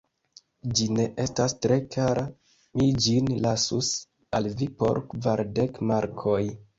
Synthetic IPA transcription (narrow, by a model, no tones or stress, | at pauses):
d͡ʒine̞ʔe̞stastɾe̞kʰaɾa | mid͡ʒinlasus | alvipo̞̰ɾkvaɾdekmaɾkʰo̞j